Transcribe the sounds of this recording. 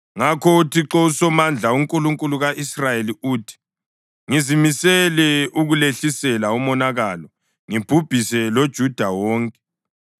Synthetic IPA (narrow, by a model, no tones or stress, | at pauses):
ŋakʰɔutʰiǁɔusɔmand͡ɮʱauŋkʼuluŋkʼuluɣaʔisrajeliuːtʰi̥ | ŋizimisɛlɛuɣuleɬisɛlaumɔnaɣalɔ | ŋib̥ʱub̥ʱisɛlod̥ʒ̥ʱud̥ʱawɔːŋkʼɛ̥